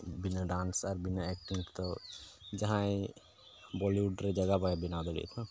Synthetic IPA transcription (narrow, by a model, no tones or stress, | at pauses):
binaɖansaɾbinaɛk̚ʈiŋʈt̪ɔd͡ʒaɦãj | bɔliuɖɾed͡ʒaɡapajbinad̪ɔɽḭt̪ʰɔ̃